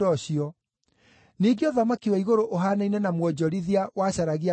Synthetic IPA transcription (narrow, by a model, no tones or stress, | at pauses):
ɔɕiɔ | niɡeɔðamakiwɛiɣoɾoʔoɦanainɛnamwɔd͡ʑɔɾiðiawaɕaɾaɣia